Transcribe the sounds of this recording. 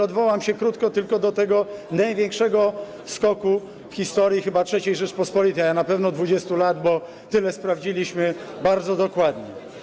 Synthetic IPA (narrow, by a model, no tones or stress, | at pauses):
ɔd̪vɔwamɕɛkɾut̪kɔt̪ɘlkɔd̪ɔt̪ɛɡɔnajvʲeŋkʂɛɡɔ | skɔku | fxʲist̪ɔɾjixɘbatʂɛt͡ɕejʐɛt͡ʂpɔspɔlʲit̪ɛjanapɛvnɔd̪vud͡ʑɛst̪ulad̪bɔ | t̪ɘlɛspɾavd͡ʑilʲiɕmɘbaɾd̪zɔd̪ɔkwad̪ɲɛ